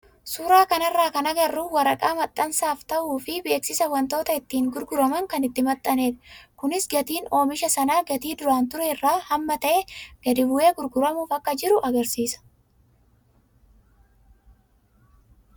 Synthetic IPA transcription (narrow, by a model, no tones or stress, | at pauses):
sʊːɾaːkɐnɐrːaːkɐnɐɡɐrːuːwɐɾɐkʼaːmɐt̪ʼːɐnsaːft̪ɐʔuːfɪbe̞ːksɪsɐwɐnt̪o̞ːt̪ɐɪt̪ːiːŋɡʊɾɡʊɾɐmɐŋkɐnɪt̪ːɪmɐt̪ʼːɐne̞ːd̪ɐkʊnɪsɡɐt̪iːno̞ːmɪʃɐsɐnaːɡɐt̪iːd̪ʊɾaːnt̪ʊɾɛɪrːaːhɐmːɐt̪ɐʔeɡ̥ɐd̪ɪbʊeːɡʊɾɡʊɾɐmuːfɐkːɐd͡ʒɪɾʊʔɐɡɐɾsiːsɐ̥